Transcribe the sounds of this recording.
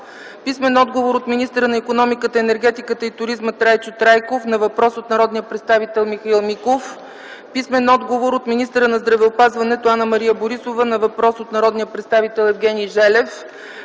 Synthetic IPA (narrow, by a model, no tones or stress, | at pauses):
pismɛnɔd̪ɡovoɾot̪minist̪əɾənɐikonɔmikət̪əɛnɛɾɡɛt̪ikət̪əit̪ʊɾizmət̪ɾajt͡ʃot̪ɾajkofnɐvɐpɾɔsot̪nɐɾɔd̪nijəpɾɛt̪st̪avit̪ɛlˠmixɐilˠmikof | pismɛnɔd̪ɡovoɾot̪minist̪əɾənɐzd̪ɾɐvɛopazvɐnɛt̪oanəmɐɾijəboɾisovənɐvɐpɾɔsot̪nɐɾɔd̪nijəpɾɛt̪st̪avit̪ɛlˠɛvɡʲɛnʲiʒɛlɛf